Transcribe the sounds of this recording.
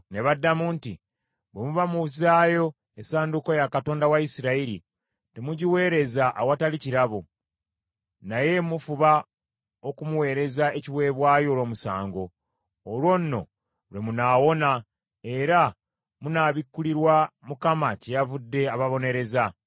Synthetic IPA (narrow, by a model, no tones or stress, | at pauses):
ne̞βadːamuntḭ | βe̞muβamuzaːjo̞ | esaːnduko̞jakato̞ːndawaisiɾaiɾi | te̞muɟiwe̞ːɾe̞zaʔawataliciɾaβo | naje̞mufuβa | o̞kumuwe̞ːɾe̞zaeciwe̞ːβwaːjo̞ːlo̞ːmusaːŋɡo̞ː | lwo̞nnːo̞̰ | βe̞munaːwo̞na | e̞ɾa | munaβikːuliɾwamukamacejavudːe̞aβaβo̞ne̞ɾe̞za